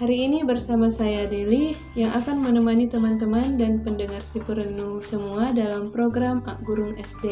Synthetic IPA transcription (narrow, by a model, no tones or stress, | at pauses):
haɾiːnibərsamasajadili | jaŋʔakanmənəmanit̪əmant̪̬əmandanpəndəŋarsipəɾənusəmuadalampɾoɡɾamaɡuɾʊŋɛsde